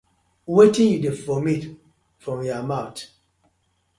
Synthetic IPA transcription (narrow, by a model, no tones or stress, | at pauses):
wetĩnjudefɔmit | fɹɔ̃mjɔamaʊt